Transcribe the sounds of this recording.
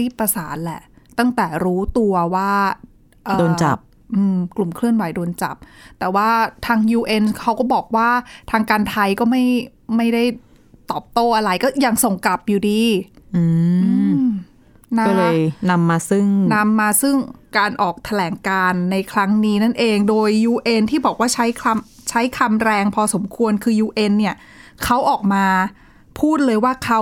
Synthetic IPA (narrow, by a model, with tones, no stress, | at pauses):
iː˥˩t̪̚pːa˧saː˩˦n̚lɛ̰˨˩ʔt̪a˥˩ŋt̪ɛː˨˩ɾuː˦˥t̪u˧ɐwaː˥˩ | ʔɤː˨doː˧nt͡ɕa̰˨˩p̚ | ʔɯː˧mklu˨˩mkʰlɯ˥˩ənwa˨˩˦jdoː˧nt͡ɕa̰˨˩p̚t̪ɛː˨˩waː˥˩t̪ʰaː˧ŋjuː˧ʔe˧nkʰa˦˥wkɔː˥˩bɔː˨˩k̚waː˥˩t̪ʰaː˧ŋkaː˧nt̪ʰa˧jkɔː˥˩ma˥˩jma˥˩jda˥˩j | t̪ɔː˨˩p̚t̪oː˥˩ʔa˧ɾa˧jkɔː˥˩ja˧ŋso˨˩ŋka˨˩p̚juː˨˩diː˧ʔɯː˧ʔɯː˧ | naɔː˥˩lɤː˧jna˧mːaː˧sɯ˥˩ŋna˧mːaː˧sɯ˥˩ŋkaː˧nʔɔː˨˩k̚t̪ʰa˧lɛː˩˦ŋkaː˧nːa˧jkʰɾa˦˥ŋniː˦˥na˥˩nʔeː˧ŋdoː˧jːuː˧ʔe˧nt̪ʰiː˥˩bɔː˨˩k̚waː˥˩t͡ɕʰa˦˥jkʰa˧m | t͡ɕʰa˦˥jkʰa˧mɾɛː˧ŋpʰɔː˧so˩˦mkʰu˧ənkʰɯː˧juː˧ʔe˧nːi˥˩ɐ | kʰa˦˥wʔɔː˨˩k̚maː˧ | pʰuː˥˩t̪̚lɤː˧jwaː˥˩kʰa˦˥w